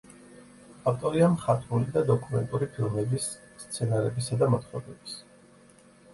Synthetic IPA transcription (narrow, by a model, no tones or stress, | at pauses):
aft̪ʼɔɾiamχat̪ʰʼulid̪ad̪ɔkʼumɛnt̪ʼuɾipʰilˠmɛbisː | t̪sʰɛnaɾɛbisad̪amat̪ʰχɔɾɛbi̥s